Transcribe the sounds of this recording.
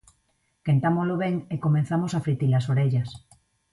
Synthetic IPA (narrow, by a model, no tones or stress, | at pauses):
kent̪amozloβ̞eŋekomẽn̟θamosafɾit̪ilasoɾeʎas